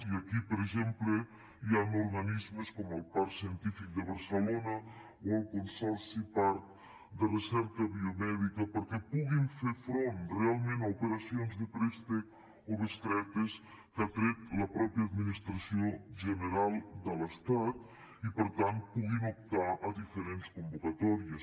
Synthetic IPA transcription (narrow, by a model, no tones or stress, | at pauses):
iəkipəɾəɡʒemplə | jamuɾɣənizməskɔməlˠpaɾsiənt̪ifik̚d̪əβəɾsəlonə | oəlˠkunsɔɾsipaɾt̪ | d̪ərəsɛɾkəβiomɛðikəpəɾkɛpuɣimfeɾfɾonrealˠmẽnaupeɾasionzd̪əpɾest̪ek | oβəst̪ɾɛt̪es | kat̪ɾet̪lɐpɾɔpɾjad̪minist̪ɾasjoʒəneɾalˠd̪əlest̪at̪ | ipəɾt̪ant̪̚puɣinop̚t̪aʔɐd̪ifeɾenskumbukat̪ɔɾies